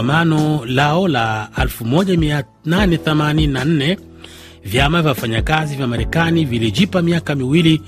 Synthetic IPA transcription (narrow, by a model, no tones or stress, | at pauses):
amanɔlaɔlaalfumɔʄamia | nanɛθɛmanininan̩nɛ | vjamavjafaɲakazivjamaɾɛkaniviliʄipamiakamiwili